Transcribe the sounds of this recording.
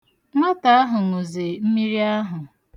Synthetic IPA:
ŋʷa˦ta˨a˦ɦʊ˨ŋo˨ze˨m̩˦mi˦ɾi˦a˦ɦʊ˨

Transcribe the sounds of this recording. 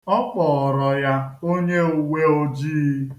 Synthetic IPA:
ɔ˦k͡pɔ˨ɔ˨ɾɔ˨ja˦o˦ɲe˦u˨we˦o˦d͡ʒiː˦

